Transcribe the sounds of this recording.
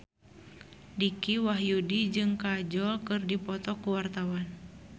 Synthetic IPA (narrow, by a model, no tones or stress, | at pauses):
dikiwaɦjudid͡ʒɨŋkad͡ʒɔlkɨrdipɔt̪ɔkuwart̪awan